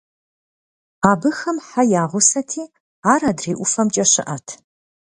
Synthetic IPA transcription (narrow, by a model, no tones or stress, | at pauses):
aːbɨxɐmħajaːʁʷʊsɐtʰiː | aːɾɐdreːʔʷʊfɐmt͡ʃʼɐɕɪ̰ʔɐtʰ